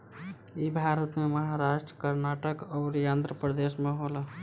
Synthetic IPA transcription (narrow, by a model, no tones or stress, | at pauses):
ibʱaɾət̪meməɦaɾaʃʈɾəkəɾnaʈəkɔːɾjand̪ɾəpɾəd̪esmeɦolə